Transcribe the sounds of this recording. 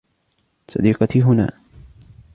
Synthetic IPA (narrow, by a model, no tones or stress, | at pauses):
sˤɑ̰d̪iːqɑt̪iɦʊna̰ː